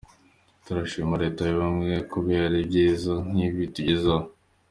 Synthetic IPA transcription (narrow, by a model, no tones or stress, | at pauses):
tuɾaʃimaɾe̞ːtajoβamŋieekubjaːɾibɟiːzan̥iβituɟeza